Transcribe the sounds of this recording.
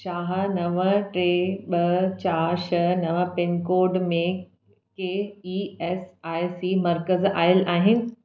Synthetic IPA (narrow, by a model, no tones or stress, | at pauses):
ʃaːɦ̆nɐʋəʈɾeːɓɐt͡ɕaːɾʃɐnɐʋəpenkoːɖmẽ | keːiːɛːsaːjsiːmɐɾkəzaːɪlʔaːɦɪnɪ̆